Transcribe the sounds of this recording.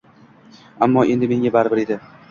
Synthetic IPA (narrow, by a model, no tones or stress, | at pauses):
amːɒʔe̞nd̪ɪme̞ŋʲabaɾbɪɾed̪ɪ